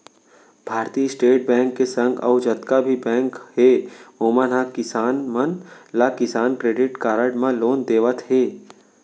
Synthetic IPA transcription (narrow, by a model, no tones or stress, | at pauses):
b̥ʱaːɾt̪iːsʈeːʈ̚bɛ̃ːŋkːesə̃ŋɡɔ̰ːʊd͡ʒət̪kabʱibɛ̃ːŋkheːoːmənɦakɪsaːnmənlakɪsaːnkɾeːɖɪʈkaːɾəɖmãloːnd̪eːʋət̪ɦeː